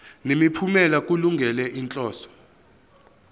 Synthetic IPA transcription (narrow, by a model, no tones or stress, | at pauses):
nemipʰumɛlak̬ʼuluŋɡʱɛlɛʔint͡ɬʼɔːsɔ̥